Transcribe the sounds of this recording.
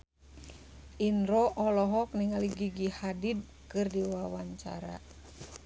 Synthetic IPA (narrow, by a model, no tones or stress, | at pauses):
inɾɔʔɔlɔɦɔk̚niŋaliɡiɡihadid̚ | kɨrdiwawaɲt͡ʃa̰ɾa̰